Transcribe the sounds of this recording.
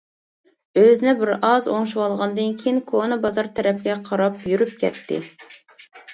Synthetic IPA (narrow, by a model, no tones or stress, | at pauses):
øzɪnɪbɪɾɑzoŋʃuwɑlˠʁɑnd̪ɨnkʲʰejinkʰonɨbɑzɑɾt̪ʰæɾɛp̚ɡʲɛqʰɑɾɑpjyɾyp̚kʲʰɛ̰t̪ʰːɪ̰